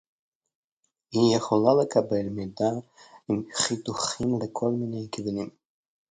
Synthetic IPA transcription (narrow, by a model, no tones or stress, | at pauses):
hijeχolalekʰabelmid̪aimχit̪uχimlekʰolminejkvunim